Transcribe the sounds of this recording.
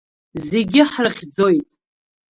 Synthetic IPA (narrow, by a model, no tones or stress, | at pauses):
ze̞ɡʲɪħrɨχʲd͡zo̞jtʼ